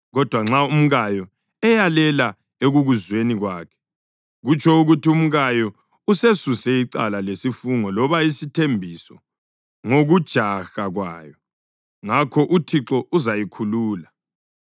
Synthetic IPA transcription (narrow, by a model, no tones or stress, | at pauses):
ɣɔd̥ʱwaŋ͡ǁaum̩ɣajɔ | ɛjalɛla | eɣuɣuzweniɣwaːkʰɛ̥ | ɣut͡ʃʰɔuɣutium̩ɣajɔ | usesusɛiǀa̰lalesifuŋɔlɔβaisitʰembʱisɔ | ŋoɣud̥ʒ̥ʱaxaɣwa̰ːjɔ | ŋakʰɔʔutʰiǁɔuzajikʰuluːla